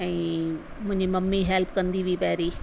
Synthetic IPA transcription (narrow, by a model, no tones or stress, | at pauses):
ɛ̃ː | mʊ̃ɪ̃ɲd͡ʑimɐmːiɦɛlpkɐ̃nd̪iʋipɐɦɪɾiː